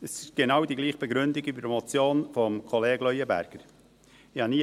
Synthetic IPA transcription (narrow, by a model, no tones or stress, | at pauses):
əsɪʃɡ̥enɑwdiɡliːχb̥eɡɾʏndɪɡybədmot͡sjoːnfɔmkʰoleːɡ̥lœʏəbæ̰ɾɡ̥əɾ | ɪhɑniː